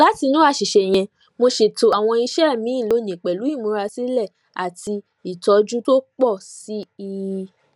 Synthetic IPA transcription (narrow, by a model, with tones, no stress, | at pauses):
la˨˦ti˧nũ˦a˦˧˨ʃi˨ʃɛ˨j̃ɛ̃˧ | mo˧ʃe˨to˨a˨w̃ɔ̃˧i˧ʃɛ˦˨mĩ˨˦ĩ˦˨lo˨˧˦nĩ˨k͡pɛ˨lu˨˦i˦˨mũ˨˦ɾa˧si˦lɛ˦˨ | a˨ti˧ | i˨tɔ˨˦d͡ʒu˦to˦k͡pɔ˦˨si˨˦i˦˧